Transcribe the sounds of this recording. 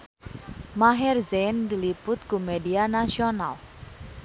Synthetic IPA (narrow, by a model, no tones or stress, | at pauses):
maɦɛrzend̪ilipʊt̪̚kumedianasiona̰l